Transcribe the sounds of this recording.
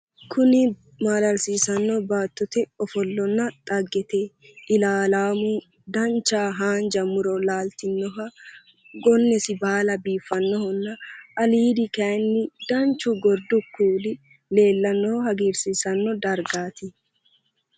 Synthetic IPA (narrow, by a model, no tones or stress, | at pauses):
kʰʊnɪ | maːlɐɾsiːsɐnːɔbaːt̪ːɔt̪ɛɔfɔlːɔnːɐt̪ʼɐɡːɛt̪ɛ | ɪlaːlaːmu | d̪ɐnt͡ʃːaːɦaːnd͡ʒɐmʊɾɔlaːlt̪ɪnːɔɦɐ | ɡɔnːɛsɪbaːlɐbiːfːɐnːɔhɔnːɐʔɐliːd̪ɪkɐjnːɪd̪̥ɐnt͡ʃːʊɡɔɾd̪ʊkːuːlɪ | le̞ːlːɐnːɔhɐɡiːɾsiːsɐnːɔd̪ɐɾɡaːt̪ɪ